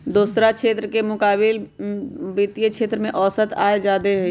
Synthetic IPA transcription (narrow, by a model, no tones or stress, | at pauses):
d̪uːsɾakʃeːt̪ɾəkemʊkaːbɪl | bit̪ijəkʃʰeːt̪ɾəmẽʔɔːsət̪a̰ːed͡ʒaːd̪eɦɛ